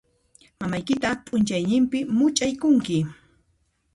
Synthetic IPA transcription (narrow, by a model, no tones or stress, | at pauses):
mamajkɪt̪apʼʊnt͡ʃajnɪmpɪmʊt͡ʃʼajkʊŋkɪ